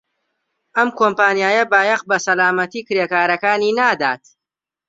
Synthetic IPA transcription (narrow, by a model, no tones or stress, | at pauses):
ʔɐmkʰoːmpaːnjaːjɐbaːjɐqbɐsɐlaːmɐt̪iːkɨɾeːkaːɾɐkaːniːnaːd̪aːt̪